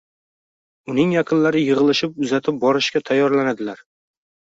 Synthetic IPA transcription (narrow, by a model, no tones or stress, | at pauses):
ʊnɪŋjɑqʰɨnlaɾɪjɨʁɨlˠɪʃɪp̚ʊzat̪ʰɪp̚bɒɾɪʃkʲat̪ʰajːɒɾlanad̪ɪlaɾ